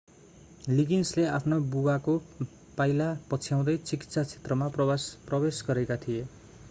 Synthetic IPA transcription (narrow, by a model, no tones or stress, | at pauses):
liɡinsleapʰnobuwako | pajlapʌt͡sʰjaw̃d̪ʌjt͡siki̥t̪sat͡sʰe̥t̪rʌmaprʌbesɡʌɾekat̪ʰije